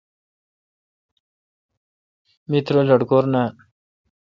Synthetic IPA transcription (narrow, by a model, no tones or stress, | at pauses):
mit̪ɾoləɽkoːɾna